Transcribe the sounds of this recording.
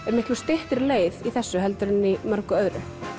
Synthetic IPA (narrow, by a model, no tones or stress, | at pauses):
ɛɾmɪht̪lust̪ɪht̪ɪɾleːjðiθɛsːʏɦɛlt̪ʏɾɪnimœɾkʏœðɾɪ